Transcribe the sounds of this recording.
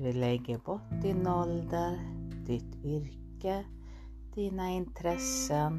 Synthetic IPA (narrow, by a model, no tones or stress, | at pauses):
d̪ʉlɛɡːəbɔʈd̪ɪnɔld̪ənd̪̥ɪt̪ʰʏɾkə | d̪̥iːnaɪnt̪ʰɾɛsən